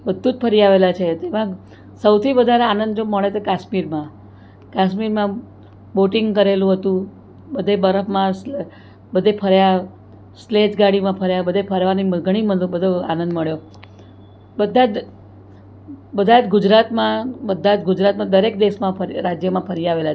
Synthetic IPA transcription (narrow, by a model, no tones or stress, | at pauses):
bəd̪ʱːũd͡ʒpʰəɾijaʋelat͡ʃʰet̪emã | səwt̪ʰiʋəd̪ʱaɾeanənd̪d͡ʒoməɭet͡ʃ̪okaʃmiɾmã | kaʃmiɾmã | boʈiŋɡkəɾelũɦət̪ũ | bəd̪ʱebəɾəfmãs | bəd̪ʱepʰəɾja | sled͡ʒɡaɽimãpʰəɾjabəd̪ʱepʰəɾʋanimɡəɽ̃iməd̪bəd̪ʱoa̰nənd̪məɭjo | bəd̪ʱad͡ʒ | bəd̪ʱad͡ʒɡʊd͡ʒɾat̪mãbəd̪ʱːad͡ʒɡʊd͡ʒɾat̪mãd̪əɾekd̪eʃmãəɾɾad͡ʒjəmãpʰəɾiaʋelat͡ʃʰe